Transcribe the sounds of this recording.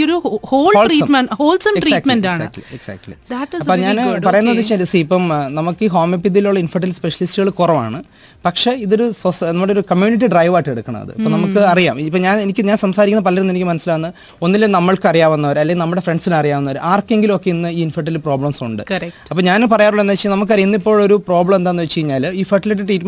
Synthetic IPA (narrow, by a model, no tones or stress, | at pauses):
oɾuhoːloːlrisːɐmehoːlsɐmeriskʈmɐnaːsa̰ʈlḭeksɐ̰ːk̚ʈlḭdɐʈːɐpːoɲaːnpɐrɐjunːɐðit͡ɕelisipːɐmnɐmukːɨɦo̞ːmip̬ːid̪iluɭːɐinfɐʈːɐlspe̞ʂɐlistɨɣɐɭkurɐʋa̰ːɳɨ | pɐkʂe̞iðo̞ɾusosnɐmːuɽeoɾukɐmjuːniʈ̬ːiɖrɐjʋaːʈːeɽukːɐɳɐ̰mɐ̰ðɨ̰ipːonɐmukːɨɐrijaːmipːoɲaːnenikʲːɨɲaːnsɐmsaːɾikʲːunːɐpɐlɐɾunːenikʲːɨmɐnɐsːilaːnːɨ | o̞nːilːenɐmːɐɭkɨɐrijaːʋɐnːɐʋɐɾɐlːeŋɡʲilnɐmːuɽe̞fre̞ɳɖsinɐrijaːmɐnːɐʋɐɾʔaːrkːe̞ŋɡilmo̞kːe̞inːɨiːinfɐʈːɐlproːbɭɐmsuɳɖɨ̰kɐɾɐpːoːɲaːnpɐrɐjaːruɭːend̪ːt͡ɕːinɐmukːɨɐrijunːɐipːo̞ːɭoɾupro̞ːbɭɐmend̪aːenːɨʋet͡ɕːt͡ɕejiɲːaːliːfɐʈːiliʈːiʈriːtm